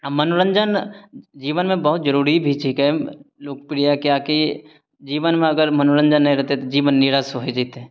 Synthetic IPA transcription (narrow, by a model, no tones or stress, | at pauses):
amɐnoɾə̃ɲd͡ʒənd͡ʒiːʋənmẽbɐɦʊt̪d͡ʒəɾuːɾibʱiʈʰiːkɦɛloːkpɪɾijakeaːki | d͡ʒiːʋənmẽɐɡəɾmɐnoɾə̃ɲd͡ʒənːɐɦĩɾɛɦt̪eɛt̪od͡ʒiːʋənːiɾasoɦed͡ʒait̪ɦɛ̃